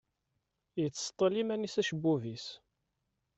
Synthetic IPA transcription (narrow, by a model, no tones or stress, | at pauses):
jət͡sːst̪ˤːəlimænisæʃəbːuvis